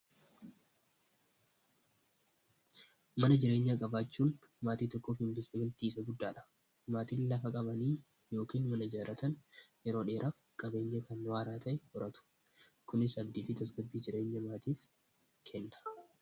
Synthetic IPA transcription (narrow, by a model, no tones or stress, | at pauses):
mɐnɐd͡ʒɪɾe̞ːɲːaːkʼɐbaːt͡ʃːuːn | maːt̪iːt̪ɔkːo̞ːfhɪmbɪst̪ɪbɐlt̪iːsɐɡʊd̪ːaːᶑɐ̥ | maːt̪iːnlɐfɐkʼɐbɐniː | jo̞ːkiːnmɐnɐd͡ʒaːɾɐt̪ɐnjɛɾo̞ːᶑe̞ːɾʔaf | kʼɐbe̞ːɲːɐkɐnwaːɾaːt̪ʰɐʔɛhɔɾɐt̪ʊ̥ | kʊnɪsɐbd̪iːfɪt̪ɐs̬ɡɐbːiːd͡ʒɪɾe̞ːɲːɐmaːt̪iːf | kʰɛnːɐ̥